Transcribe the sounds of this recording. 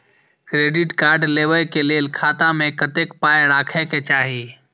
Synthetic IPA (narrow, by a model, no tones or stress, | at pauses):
kɾeːɖɪʈkaːɾɖleːʋəlkelelkʰaːt̪ãmẽkət̪eːkpaːeɾaːkʰɛket͡ʃaːɦiː